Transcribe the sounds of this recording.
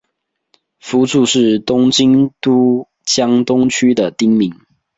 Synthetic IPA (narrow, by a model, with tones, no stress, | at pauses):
fu˨˥t͡su˥˧ʂɻ̩˥˩t̪ʊ˥ŋt͡ɕi˥ŋt̪u˥ | t͡ɕjɑ˥ŋt̪ʊ˥ŋt͡ɕʰy˥d̪ə˨t̪i˥ŋmi˨˦ŋ